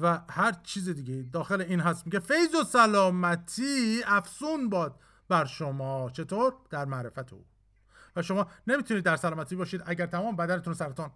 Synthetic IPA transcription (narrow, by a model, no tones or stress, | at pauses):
væhæɾt͡ʃʰiːzid̪iɟeid̪ɒːxeleiːnɦæst̪miɟefe̞jzosælɒːmæt̪ʰiːæfsuːnbɒːd̪̚ | bæɾʃomɒːt͡ʃʰe̞t̪ʰoːɾd̪̥æɾmæɾe̞fæt̪ʰḛṵː | væʃo̞mɒːne̞miːt̪ʰuniːd̪ːæɾsælɒːmæt̪ʰiːbɒːʃiːd̪æɟæɾt̪ʰæmɒːmebæd̪æneunsæɾet̪ʰɔːn